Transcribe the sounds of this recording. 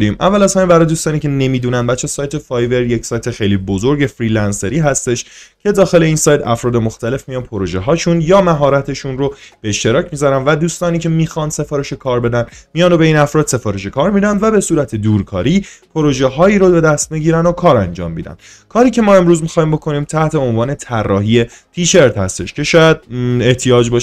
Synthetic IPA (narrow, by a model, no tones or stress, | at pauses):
imʔæ̰vːælæshæmimbæɾɒːjeuːst̪ɒːniːcʲe̞ne̞miːd̪uːnænd̪bæt̪t͡ʃʰːesɒːjt̪ʰe̞fɒːjve̞ɾjecʰsɒːjt̪ʰe̞xejliːbozoɾɟe̞fɾiːlænseɾiːɦæst̪e̞ʃcʰe̞d̪ɒːxe̞le̞iːnsɒːjt̪ʰæ̰fɾɒːd̪e̞moxt̪æle̞fmijɒːnpʰoɾoʒeɦɒːʃunjɒːmæɦɒːɾæt̪ʰe̞ʃunɾob̥eeʃt̪e̞ɾɒːcʰmizæɾænvæd̪uːst̪ɒːniːcʰe̞miːxɒnse̞fɒːɾe̞ʃe̞kʰɒːɾbe̞d̪ænmijɒndobe̞iːnæfɾɒːd̪̥se̞fɒːɾe̞ʃ̬e̞kʰɒːɾmid̪ænd̪væbe̞suːɾæt̪ʰe̞d̪uːɾkʰɒːɾiːpʰoɾo̞ʒeɦɒːiːɾobe̞d̪æst̪̚miɟiːɾændokʰɒːɾænd͡ʒɒ̰ːmbḭd̪æ̰nd̪̥ | kʰɒːɾiːcʰe̞mɒːe̞mɾuːzmixɒːhiːmbo̞kʰo̞niːmt̪ʰæht̪ʰe̞onvɒːne̞t̪ʰærːɒːɦije̞ | pʰiːʃe̞ɾt̪hæ̰st̪e̞ʃcʰe̞ʃɒːjæd̪̚e̞ht̪ʰijɒːd͡ʒbɒʃ